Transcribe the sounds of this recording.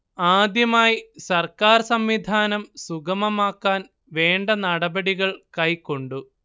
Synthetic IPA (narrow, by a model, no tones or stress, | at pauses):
aːd̪jɐmaːjisɐrkaːrsɐmʋid̪ʱaːnɐmsuɡɐmɐmaːkːaːn | ʋe̞ːɳɖɐnɐɽɐbɐɽiɣɐɭkɐjkːo̞ɳɖu